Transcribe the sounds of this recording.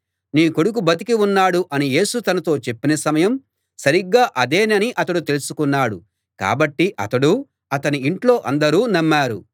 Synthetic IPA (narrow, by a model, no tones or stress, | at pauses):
niːko̞ɽuk̬ubɐt̪̬ikiunːaːɽuʔɐnije̞ːsut̪ɐnɐt̪o̞ːt͡ʃe̞pːinɐsɐmɐjɐm | sɐɾiɡːaːʔɐd̪e̞ːnɐniʔɐt̪ɐɽut̪e̞lusukunːaːɽṵ | ka̰ːbɐʈːiʔɐ̰t̪ɐɽu | ɐt̪ɐniiɳʈlo̞ːʔɐnd̪ɐɾuːnɐmːaːɾṵ